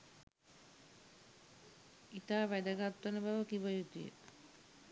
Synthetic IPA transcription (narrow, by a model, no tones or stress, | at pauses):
it̪aːʋæd̪əɡat̪ːənəbaʋəkibəjut̪ijə̰